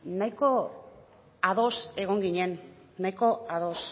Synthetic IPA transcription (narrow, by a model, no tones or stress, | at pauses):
najko̞ | aðo̞se̞ɣ̞o̞ŋɡiɲe̞nː | ajko̞aðo̞s